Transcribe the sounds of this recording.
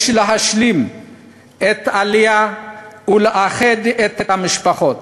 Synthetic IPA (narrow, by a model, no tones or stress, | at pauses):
ʃleɦaʃlim | et̪alija | uleʔaχed̪et̪etamiʃpaχo̞t̪